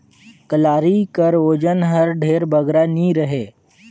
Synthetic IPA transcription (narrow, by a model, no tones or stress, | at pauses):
kəlaːɾikəɾoːd͡ʒənɦəɾɖʱeːɾbəɡɾanĩɾəɦeː